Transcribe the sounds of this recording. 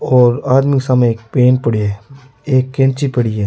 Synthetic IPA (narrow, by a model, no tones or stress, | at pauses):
ɔːɾaːd̪miksamẽeːk̚peːnpɐɽiɦɛː | eːkːẽnt͡ʃipɐɽiɦɛː